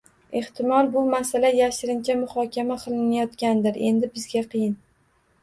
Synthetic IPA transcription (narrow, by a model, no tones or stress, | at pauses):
e̞ht̪ʰɪmɒlˠbʊmasalajaʃɪɾɪnt͡ʃʰamʊχɒkʲamaqʰɨlˠɪnajɒt̪kʲand̪ɪɾe̞̰nd̪ɪbɪzɡʲaqʰɨjɪn